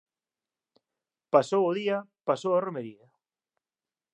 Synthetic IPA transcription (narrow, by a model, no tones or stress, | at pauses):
pasowʊðiapasowaromeɾiɐ